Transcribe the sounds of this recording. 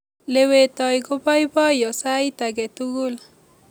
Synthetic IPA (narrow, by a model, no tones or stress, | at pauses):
lewet̪ɔjɡopɔjbɔjɔsajt̪aɡɛt̪uɡul